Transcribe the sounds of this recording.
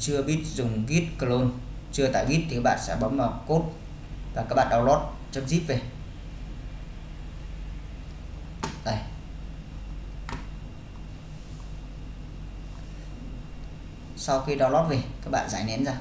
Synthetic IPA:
t͡ɕɨ˧əɓi˦˥ət̚zʊ˨˩ŋ͡mɣi˦˥ət̚kə˧lo˧n | t͡ɕɨ˧ət̪a̰ː˧˨jɓi˦˥t̚t̪ʰi˨kaː˦˥k̚ɓa̰ː˧˨sɛ̰˧˥ɓɔ̰˧˦˥nmaː˨˩ko˦˥t̚ | vaː˨˩kaː˦˥k̚ɓ̰ɗa˧wlɔ˦˥t̚ | t͡ɕɨ˦˥k̚zi˦˥p̚ve˨˩ | ʔo˨˩j | sa˧wxi˧ɗa˧wlɔ˦˥t̚ve˨˩kaː˦˥k̚ɓa̰ː˧˨nza̰ː˧˩jnɛ̰˧˥nzaː˧

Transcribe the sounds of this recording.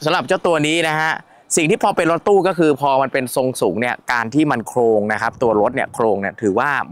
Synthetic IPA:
sa˨˦mɾa˨˩p̚t͡ɕa˥˩t̪u˧ɐniː˦˥na˦˥kʰa˦˥ʔ | si˨˩ŋt̪ʰiː˥˩pʰɔː˧pe˧nɾo˦˥t̪ːuː˥˩kɔː˥˩kʰɯː˧pʰɔː˧ma˧npe˧nso˧ŋsuː˩˦ŋni˥˩ɐkaː˧nt̪ʰiː˥˩ma˧nkʰɾoː˧ŋna˦˥kʰa˦˥p̚t̪u˧ɐɾo˦˥t̪̚ni˥˩ɐkʰɾoː˧ŋni˥˩ɐt̪ʰɯː˩˦waː˥˩

